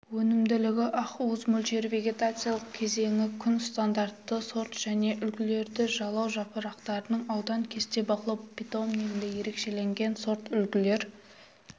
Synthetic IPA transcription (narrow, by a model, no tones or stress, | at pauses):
wɵnɪmd̪ɪlɪɡʲɪʔɑquzmʊlt̪e̞ɾvʲe̞ɡʲe̞t̪at̪sɨjalˠəq̚kʲʰe̞ze̞ŋʲɪkʲʰʏnst̪and̪aɾt̪ːəso̞ɾt̪ʒ̥æne̞ʔʏlkʲɪle̞ɾd̪ɪʒɑlˠɑwʒɑpəɾɑqt̪ɑɾənəɴɑwd̪ɑŋkʲʰe̞st̪e̞bɑqəlˠɑbʲit̪o̞mneɡʲɪnd̪eje̞ɾe̞kʃe̞le̞ŋɡʲe̞nso̞ɾt̪ʏlkʲɪle̞ɾ